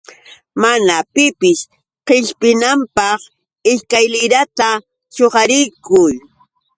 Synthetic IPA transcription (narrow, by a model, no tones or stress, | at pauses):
manapɪpɪʃ | qɪʎpɪnampɑχ | ɪskajlɪɾat̪a | t͡ʃoɢɑɾɪjkʊj